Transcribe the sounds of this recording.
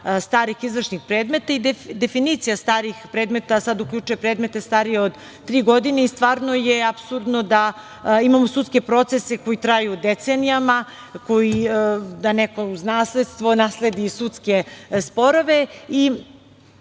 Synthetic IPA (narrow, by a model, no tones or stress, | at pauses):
st̪aːɾixizʋrʂnixpɾe̞ːd̪me̞t̪aid̪ed̪e̞finit̪sijast̪aːɾixpɾeːd̪me̞t̪asad̪ukʎʲut͡ʃujepɾe̞ːd̪me̞t̪e̞st̪aːɾijeod̪ | t̪ːɾiːɡo̞d̪ineist̪ʋaːɾno̞jeapsuɾd̪no̞d̪a | imamosut̪ke̞pɾo̞t̪se̞se̞ko̞jit̪ɾajud̪et̪senijama | ko̞jid̪anekouznaːslʲed̪st̪ʋo̞naːsle̞d̪isut̪ske̞spo̞ɾo̞ʋe̞i